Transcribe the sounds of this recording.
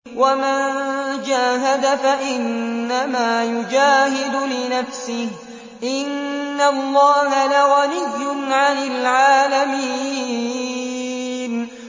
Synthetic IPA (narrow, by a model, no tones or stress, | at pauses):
wamand͡ʒaːɦad̪afaʔɪnːamaːjʊd͡ʒaːɦɪd̪ʊlɪnafsɪh | ʔɪnːalːɑːɦalaɣaɾɪjːʊnʕanalʕaːlami | n